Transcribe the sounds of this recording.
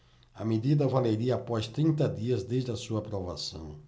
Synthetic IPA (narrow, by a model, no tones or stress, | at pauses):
ɐmed̪id̪ɐvaleɾiɐapɔst̪ɾĩnt̪ɐd̪iɐzd̪ezd̪ɪɐsuɐaːpɾova̰sɐ̰̃w̃